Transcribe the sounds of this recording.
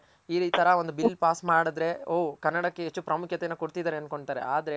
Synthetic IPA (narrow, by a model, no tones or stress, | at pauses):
iːɾit̪ʰɐɾɐo̞nd̪ubilːpaːsmaːɽɐd̪ɾe̞oːkɐnːɐɽɐkːeɦet͡ʃːupɾɐmukʰjɐt̪ejɐnːɐkoɽt̪id̪aːɾeɐn̚ko̞ɳt̪aːɾḛaːd̪ɐɾe̞